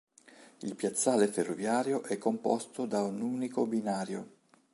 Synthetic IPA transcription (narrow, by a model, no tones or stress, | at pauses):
ilpjat̪sːaːleferːovjaːɾjoʔɛkːompɔ̰st̪od̪aunuːnikobinaːɾjo